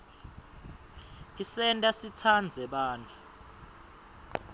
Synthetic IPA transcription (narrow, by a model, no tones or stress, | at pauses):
isɛntʼasitʰand͡zʱɛɓaːnt͡fʰu̥